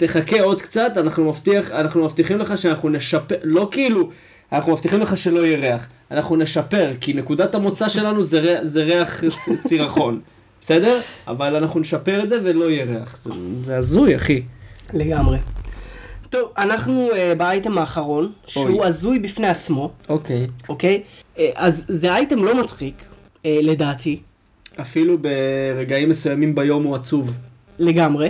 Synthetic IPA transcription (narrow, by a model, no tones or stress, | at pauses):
t̪e̞χakeo̞d̪kt͡sat̪anaχnumaft̪iaχanaχnumaft̪iχimle̞χaʃeanaχnuneʃapelo̞kiilu | anaχnumaft̪iχimle̞χaʃe̞lo̞jeʁeaχ | anaχnune̞ʃape̞ʁkine̞kud̪at̪hamo̞t͡saʃe̞lanuzeʁeze̞ʁeaχsiʁaχo̞n | bese̞d̪e̞ʁa̰valanaχnuneʃape̞ʁetzeve̞lo̞jeʁeaχzezeazuja̰χileɡamʁe̞ | to̞vanaχnuebaajtemaːχaʁo̞nʃeuazujbifne̞at͡smo̞okejokejʔazzeajtemlo̞mat͡sχik | ele̞daːtʰi | afilubeʁe̞ɡaimːesujamimbajo̞muat͡suv | le̞ɡamʁe̞